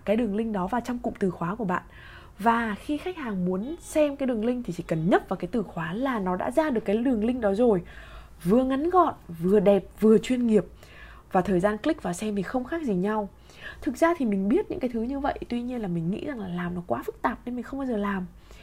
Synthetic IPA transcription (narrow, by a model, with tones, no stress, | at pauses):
kaː˨˦jɗɨ˨˩əŋlï˧ŋ̟ɗɔ˨˦vaː˨˩wt͡ɕɔ˧wŋ͡mkʊ̰˧˨ŋ͡mt̪ɨ˨˩xwaː˨˦ku˧˩əɓa̰ː˧˨nʔ | vaː˨˩xi˧xa˦˥jk̚haː˨˩ŋmu˨˦ənsɛ˧mkaː˨˦jɗɨ˨˩əŋlï˧ŋ̟t̪ʰi˨˩t͡ɕi˧˩kə˨˩nɲə˦˥t̚vaː˨˩kaː˨˦jt̪ɨ˨˩xwaː˨˦laː˨˩nɔ˨˦ɗa̰ː˧˥zaː˧ɗɨ˨˩əkːaː˨˦ɗɨ˨˩əŋlï˧ŋ̟ɗɔ˨˦zo˨˩j | vɨ˨˩əŋa˨˦nɣɔ̰˧˨nvɨ˨˩əɗɛ˨˩p̚vɨ˨˩ət͡ɕwi˧ənŋi˨˩əp̚ | vaː˨˩t̪ʰəː˨˩jzaː˧nklï˦˥k̚vaː˨˩sɛ˧mt̪ʰi˨˩xə˧wŋ͡mxaː˦˥k̚zi˨˩ɲa˧w | t̪ʰɨ˨˩k̚zaː˧t̪ʰi˨˩mï˨˩ŋ̟ɓi˦˥ət̚ɲɨ̰˧˥ŋkaː˨˦jt̪ʰɨ˨˦ɲɨ˧və̰˧˨jʔt̪wi˧ɲi˧ənlaː˨˩mï˨˩ŋ̟ŋḭ˧˥za˨˩ŋlaː˨˩laː˨˩mnɔ˨˦kwaː˨˦fɨ˦˥k̚t̪aː˨˩p̚ne˧nmï̟˨˩xə˧wŋ͡mɓaː˧zəː˨˩laː˨˩m